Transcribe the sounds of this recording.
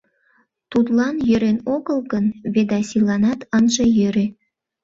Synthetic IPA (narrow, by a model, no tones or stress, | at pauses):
t̪ut̪lɑnjøɾenoɣəlɣənβed̪ɑsilɑnɑt̪ənʒejøɾe